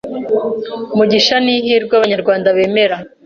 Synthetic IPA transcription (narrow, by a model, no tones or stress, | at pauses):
muɟiʃaniɦiːɾɡwaβaɲaɾɡwaːndaβe̞ːme̞ɾa